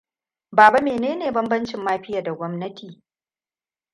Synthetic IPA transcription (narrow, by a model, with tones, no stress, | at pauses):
baː˨ba˦meː˨neː˦neː˨bɐ˦mbɐ˦nt͡ʃɪ˨mːaː˦ɸɪ˦jaː˨da˨ɡʷɔ˦mnɐ˦tʰiː˨